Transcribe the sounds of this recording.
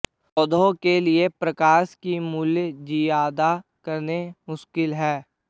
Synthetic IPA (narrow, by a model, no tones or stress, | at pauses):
ɔd̪õkelɪepɾəkaːʃkimʊljd͡ʒiːaːd̪akəɾnemʊʃkɪlɦɛː